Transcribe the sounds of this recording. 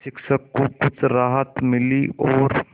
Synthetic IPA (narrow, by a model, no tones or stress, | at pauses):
ʃɪkʃəkːokʊt͡ʃʰɾaːɦət̪mɪliʔɔːɾ